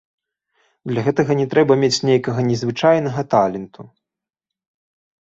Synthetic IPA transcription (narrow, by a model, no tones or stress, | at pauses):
d̪lʲɐɣɛt̪ɐɣɐnʲɛt̪ɾɛbɐmʲet͡sʲnʲejkɐɣɐnʲɛzvɨt͡ʂajnɐɣɐt̪alʲɛnt̪u